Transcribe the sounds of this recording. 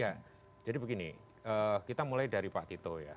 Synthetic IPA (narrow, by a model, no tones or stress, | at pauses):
ja | d͡ʒadibəɡini | əːkit̪amulajdaɾipa̰ʔt̪it̪oja̰